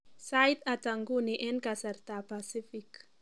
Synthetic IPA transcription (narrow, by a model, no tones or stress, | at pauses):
sajt̪at̪aŋɡuniʔɛnkasart̪apasifik